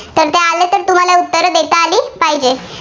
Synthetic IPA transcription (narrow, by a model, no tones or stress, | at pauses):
t̪əɾt̪ealet̪əɾt̪um̤alaut̪ːəɾəd̪et̪aːliːpaɦid͡ʑe